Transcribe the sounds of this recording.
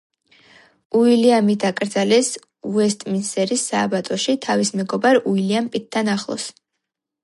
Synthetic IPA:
uiliamid̪akʼɾd̪zalɛs | uɛst̪ʼminsɛɾisaːbat̪ʼɔʃit̪ʰavismɛɡɔbaɾuiliampʼit̪̚ʰːanaχlˠɔ̰s

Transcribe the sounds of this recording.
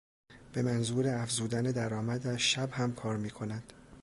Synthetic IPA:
b̥e̞mænzuːɾeæfzuːd̪æned̪æɾɒːmæd̪æʃæbhæmkʰɒːɾmiːkʰo̞nænd̪̥

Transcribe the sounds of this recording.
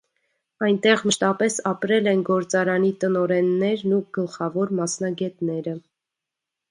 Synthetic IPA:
ɑjnt̪ɛʁməʃt̪ɑpɛsɑpɾɛlɛnɡɔɾt͡sɑɾɑnit̪ənɔɾɛnːɛɾnuɡ̥əlχɑvɔɾmɑsnɑɡɛt̪nɛɾə

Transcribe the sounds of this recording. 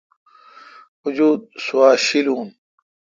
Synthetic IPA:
ud͡ʑuːd̪̚suwaːɕiluːn

